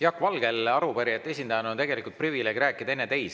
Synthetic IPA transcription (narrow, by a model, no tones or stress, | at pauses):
jɑkːvɑlɡe̞lɑɾupæɾiet̪ːe̞sʲind̪ɑjɑneont̪e̞ɡe̞likult̪̚privile̞ɡiɾæːkːˑid̪̥ɑe̞nːet̪e̞js